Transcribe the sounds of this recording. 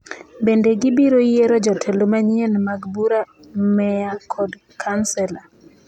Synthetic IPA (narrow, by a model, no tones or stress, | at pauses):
bendeɡɪbiɾojeɾɔd͡ʒɔtʰɛlomaɲienmaɡbuɾa | mɛjakʰɔd | kʰansɛla